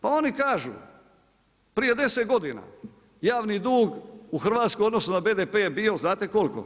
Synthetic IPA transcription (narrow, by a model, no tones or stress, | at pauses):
pao̞nikaːʒṵ | pɾije̞d̪e̞set̪ɡo̞d̪ina̰ | jaːʋnid̪uːɡuxr̩ʋaːt̪skood̪nosnod̪abeːd̪epeebio̞znaːt̪eko̞lko̰